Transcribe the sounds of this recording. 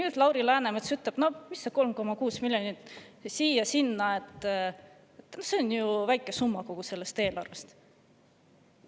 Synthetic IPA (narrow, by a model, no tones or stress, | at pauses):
nyːd̪̥lɑwɾilæːnemet̪syt̪leb̥no̞misːɑ̥ko̞lmko̞mɑkuːsmiljonit̪ːˑsiːjɑsinːɑe̞t̪ː | t̪nose̞onjuvæjkːˑe̞sumːɑko̞ɡ̥use̞lːe̞st̪e̞ːlɑ̰rvest̪